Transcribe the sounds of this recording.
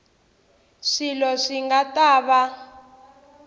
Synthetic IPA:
ʂilɔʂiŋɡataːβa

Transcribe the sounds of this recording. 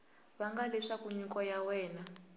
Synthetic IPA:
βaŋɡalɛʂakuɲikʼɔjawɛːna

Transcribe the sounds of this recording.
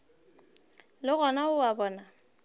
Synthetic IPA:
lɪɣɔnaʊwabɔːna

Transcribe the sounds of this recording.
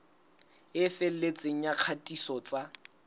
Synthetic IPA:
ɪfɪl̩let͡sʼeŋ̩jaq͡χʰatʼisɔt͡sʼa

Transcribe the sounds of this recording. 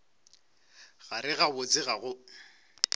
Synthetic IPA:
ɣaɾɪɣabʊt͡sʼɪɣaɣʊ

